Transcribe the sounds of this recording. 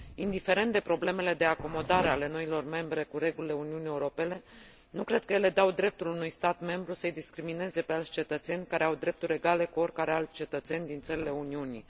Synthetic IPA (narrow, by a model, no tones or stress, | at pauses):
ind̪ife̞ɾent̪d̪e̞pɾo̞ble̞me̞le̞d̪e̞ako̞mo̞d̪aɾe̞ale̞no̞ilo̞rme̞mbɾe̞kuɾe̞ɡulile̞uniunieuɾo̞pe̞ne̞ | nukɾe̞d̪̚kəje̞le̞d̪awd̪ɾe̞p̚t̪ulunujst̪at̪me̞mbɾusəəjd̪iskɾimine̞ze̞pealsʲt͡ʃe̞t̪ət̪se̞nʲkaɾeawd̪ɾe̞p̚t̪uɾʲe̞ɡale̞kuo̞rkaɾealt͡ʃe̞t̪ət̪se̞nʲd̪int̪səɾile̞uniunḭ